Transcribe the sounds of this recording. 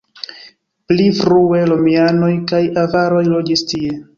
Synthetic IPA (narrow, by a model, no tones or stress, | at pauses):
plifɾue̞lomiano̞jkajavaɾo̞jlo̞d͡ʒistie̞